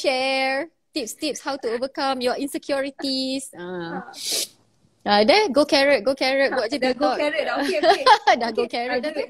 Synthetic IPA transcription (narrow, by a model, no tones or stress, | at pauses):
ʃɛɹ | t̪ip̚st̪ip̚shawtuovəkãmjuwɔʔĩnsɛkʰjɔɹit̪isã | adɛ̃nɡokɛɹət̚ɡokɛɹət̚ɡoad͡ʒədɛɡɔ | daɡokɛɹət